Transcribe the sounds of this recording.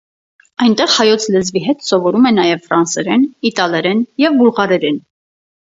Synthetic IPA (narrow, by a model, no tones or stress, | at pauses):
ɑjnt̪ɛʁhɑjɔt͡sʰləzviɦɛt̪sɔvɔɾumɛnɑjɛvfɾɑnsɛɾɛnit̪ɑlɛɾɛnjɛvbulʁɑɾɛɾɛn